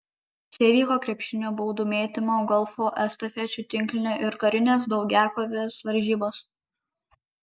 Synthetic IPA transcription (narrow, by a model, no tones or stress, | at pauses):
sʲeːʋʲiːkoːkɾʲɛpʲʃʲɪnʲoːbɔːd̪uːmʲeːt̪ʲɪmoːɡɔlˠfoːʔɛst̪ɐfʲɛt͡ʃʲʊt̪ʲɪŋʲˑkʲlʲɪnʲoːʔɪɾkɐɾʲɪnʲeːsd̪ɒʊɡʲæːkoːʋʲeːsʋɐɾʲʒʲiːboːs